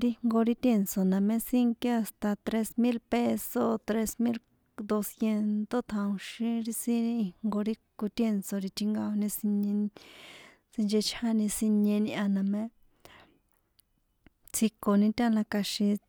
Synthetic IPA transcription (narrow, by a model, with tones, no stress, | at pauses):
ɾi˧ŋɡo˧ɾi˧t̪e˧˨nt͡so˨nã˨mẽ˧˦si˦ŋke˦a˧st̪a˧t̪ɾe˧smĩ˦lpe˧so˧t̪ɾe˧smi˦l | d̪o˧sje˧nt̪o˦t̪ʰã˧ũ˧ʃĩ˧ɾi˧si˧i˧ŋŋɡo˧ɾi˦ku˧t̪e˧˨nt͡so˧ɾi˧t̪ʰi˧ŋɡa˧o˧nĩ˧si˧ɲẽ˧ | sĩ˧nd͡ʒe˧t͡ʃʰa˦nĩ˧si˧ɲẽ˧nĩ˧ʔã˧nã˨mẽ˦ | t͡sʰi˧ko˨nĩ˧t̪ʲa˦˧lã˧ka˧ʃĩ˧